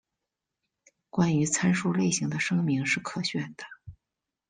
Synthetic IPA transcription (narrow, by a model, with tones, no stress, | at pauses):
kwa˥ny˧˥t͡sʰa˥nʂu˥le˥˩ɪɕi˧˥ŋd̪ə˧ʂɤ˥ŋmi˧˥ŋʂɻ̩˥˩kʰɤ˨˩ɕɥɛ˥˩nd̪̥ə̥˩